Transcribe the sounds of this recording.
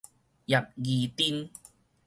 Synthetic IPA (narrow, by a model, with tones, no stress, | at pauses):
ja˨˩p̚ɡi˨t̪i˦n